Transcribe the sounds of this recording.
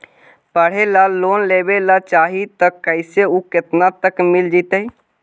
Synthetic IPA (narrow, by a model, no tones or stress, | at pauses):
pəɽ̤elaloːnlebelat͡ʃaːɦit̪əkːəɪseuket̪nat̪əkmild͡ʒit̪əi